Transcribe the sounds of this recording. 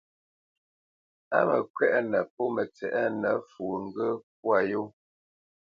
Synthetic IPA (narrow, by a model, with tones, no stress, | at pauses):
a̰˦mə̰˨kwɛ˦ʔnə˨pɔ˦mə˨t͡sɛ˨ʔɛ˦nə˨˦fu˨ŋ̩˦ɡə˦p̚wa˨jo˦